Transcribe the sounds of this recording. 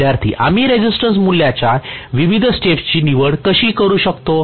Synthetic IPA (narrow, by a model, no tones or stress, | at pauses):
jaɾt̪ʰḭːʔamiːɾed͡ʑisʈə̃ns̬muljat͡ɕaʋiʋid̪ʱsʈeft͡ɕiːniʋəɽkəɕiːkəɾuːɕəkt̪o